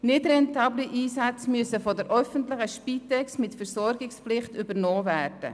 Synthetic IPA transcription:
nɪdɾɛntɑːbliʔiːsat͡smyəsəfɔdɛɾʔœfəntlɪχəʃpiːtɛksmɪtfɛɾsɔɾɡɪksplɪχtybəɾnɔːvæːrd̥ə̰

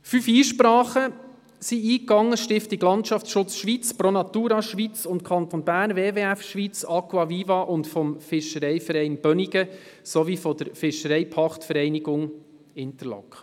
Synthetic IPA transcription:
fyfiːʃpɾɑːχə | siiːkɑŋːəʃtɪftiɡlɑntʃɑftsʃʊt͡sʃʋit͡spɾonɑt̪uːɾɑʃʋit͡sʊntkʰɑnt̪onbæːrnveːveːæfʃʋit͡sɑkwɑviːvɑʔʊntfɔmfɪʃəɾɛɪfəɾɛɪnb̥œniɡəsɔʋifɔd̥əɾfɪʃəɾɛɪpʰɑχtfəɾɛɪniɡʊŋ | ɪnt̪əlɔ̰kχ

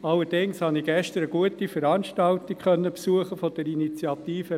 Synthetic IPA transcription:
ɑlːəɾd̥ɪŋshɑniɡ̥ɛʃtəɾəɡuətifəɾɑnʃtɑltikχœnːəpsuəχəfɔd̥ɛɾinit͡sjɑtiːfə

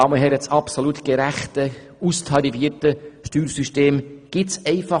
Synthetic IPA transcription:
ɑməɦɛɾət͡sɑpsolut̪ɡ̥əɾæχtə | ustʰɑɾifiəɾtəʃtyːɾsyʃteːmɡ̥ɪtsɛɪfɑ

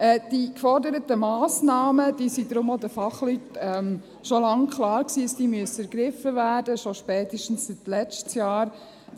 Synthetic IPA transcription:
ɛːd̥ikfɔɾdəɾətəmɑːsnɑːməd̥iːsidɾʊmod̪əfɑχlytɛm | ʃolɑŋkχlɑːɾksiːəsd̥iːmyəsəɛɾɡ̥ɾɪfəvæːɾdəʃoʃpɛːt̪iʃtn̩ssit̪lɛt͡ʃtsjɑːɾ

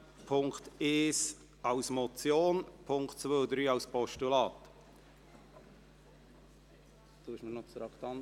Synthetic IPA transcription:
pʰʊŋkt̪eːs | ɑwsmɔt͡sjoːnpʰʊŋktt͡sʋød̪ɾyːɑwspɔʃtulɑːt̪ | d̥̪oːɪʃmənɔt͡sdɾɑkt̪ɑn

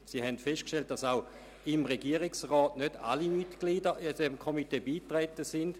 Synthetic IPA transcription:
siːhɛntfeʃtkʃtelt̚d̥asaʊ | imʁeɡiəʁɪksʁɔːtnøda̰limitɡ̥liːdəid̥ɛmkʰomiteːbiːtʁɛtəsɪnd̥

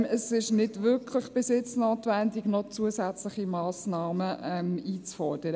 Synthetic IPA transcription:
mɛsɪʃnɪd̥ʋʏkʰlɪχb̥ɪsɪt͡snoːt̪ʋændɪɡnɔt͡suəsæt͡slɪχimɑːsnɑːməɛmiːt͡sfɔɾd̥əɾə

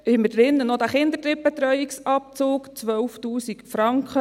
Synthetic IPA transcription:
ɪmːədɾɪnːənod̥̪æːχɪnd̪ətɾɪp̚bɛt̪ɾœʏiksɑp̚t͡soːkt͡sʋœlftuːsikfɾɑŋkχə

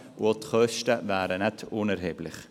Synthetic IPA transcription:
uot̪χœʃtəvæːɾənɛtʰʊnɛɾɦeːblɪχ

